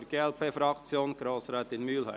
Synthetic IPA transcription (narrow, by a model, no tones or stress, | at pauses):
ɾɡ̥eːɛlpeːfɾɑkt͡sjoːnɡ̥ɾoːsɾɛːt̪ɪnmyːlhœ̰